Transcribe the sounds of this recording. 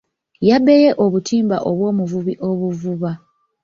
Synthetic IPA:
jabe̞je̞ʔo̞βutʰiːmbaʔoβwo̞ːmuvuβiʔo̞βuvuβa

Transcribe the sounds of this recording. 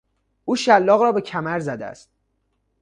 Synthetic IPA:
uːʃælːɒːɣrɒːbe̞cʰæmæɾzæd̪eæ̰st̪̚

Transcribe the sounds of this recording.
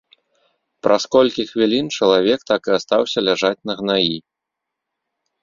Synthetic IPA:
pɾʔaskɔlʲkʲixvʲilʲint͡ʂɐlˠavʲɛkt̪akɨast̪awsʲɐlʲaʐat͡sʲnɐɣnaji

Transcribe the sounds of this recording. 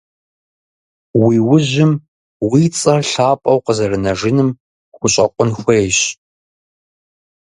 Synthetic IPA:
wiːwʊʑɪm | wiːt͡sʼɐrɬaːpʼɐwqəzɐrɨnɐʒɪnɨm | xʷʊɕʼɐqʷʊnxʷɐjɕʼ

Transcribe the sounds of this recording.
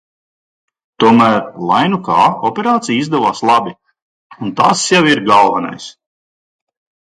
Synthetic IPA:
t̪uɔmæːɾlˠajnukɑːɔpʲeɾaːt̪sijizd̪ɛvaːslˠabʲi | unt̪asjawiɾɡalˠvana̰js

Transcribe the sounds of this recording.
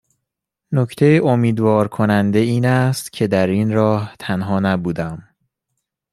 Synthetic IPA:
nocʰt̪ʰe̞jeʔomiːd̪vɒːɾkʰo̞nænd̪e̞iːnæst̪cʰe̞d̪æɾiːnɾɒːht̪ʰænɦɒːnæbuːd̪æm

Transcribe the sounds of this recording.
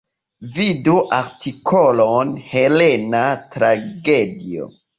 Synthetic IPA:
viduʔaɾtikʰolonhe̞lenatɾaɡedio̰

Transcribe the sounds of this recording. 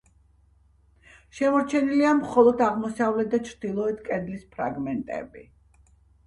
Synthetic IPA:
ʃɛmɔɾt͡ʃʰɛniliamχɔlˠɔd̪aʁmɔsavlɛt̪̚d̪at͡ʃʰɾd̪̥ilˠɔɛt̪ʰkʼɛd̪lispʰɾa̰ɡmɛnt̪ʼɛ̰bḭ

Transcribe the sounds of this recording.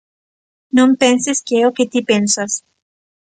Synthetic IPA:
nõmpenseskeeoket̪ipensas

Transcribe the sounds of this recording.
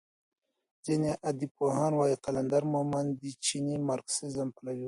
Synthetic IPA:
zeneʔɐd̪ipoɦaːnwaːiqɐlɐnd̪ɐɾmomɐnd̪it͡ʃʰinimaɾksezɐmpɐlɐwu

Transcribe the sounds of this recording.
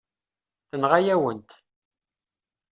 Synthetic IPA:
θənʁajæwənt̪

